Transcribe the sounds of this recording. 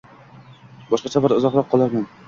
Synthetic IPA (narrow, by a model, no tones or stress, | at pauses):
bɒʃqɑt͡ʃʰabɒɾʊzɒqlˠɒp̚qʰːɒlˠaɾman